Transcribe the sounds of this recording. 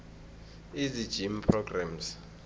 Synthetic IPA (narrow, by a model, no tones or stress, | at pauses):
izid̥d͡ʒ̥impʰrɔɡrams